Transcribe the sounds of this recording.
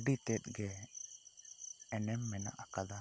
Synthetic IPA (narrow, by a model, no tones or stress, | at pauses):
ɖit̪ɛt̪̚ˀɡɛ | ɛnɛmːɛna̰ʔakad̪a